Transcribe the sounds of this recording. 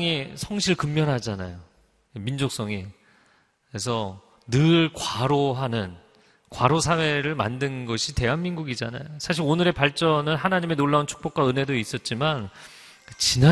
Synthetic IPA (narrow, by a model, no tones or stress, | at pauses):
ŋisʰʌŋɕʰiɭkɯmːjʌnɦad͡ʑana̰jo | emind͡ʑok̚s͈ʌŋi | kes̬ʰʌ | nɯɭkwaɾoɦanɯn | kwaɾosʰawe̞ɾɯɭma̰ndɯnɡʌɕʰite̞ɦwanminɡuɡid͡ʑa̰na̰josʰaɕ̬ʰiɾonɯɾe̞paɭt͡ɕ͈ʌnɯnɦanaɲime̞noɭːaunt͡ɕʰu̥k̚p͈ok͈waɯnɦe̞dois͈ʌt̚t͡ɕ͈iman | t͡ɕina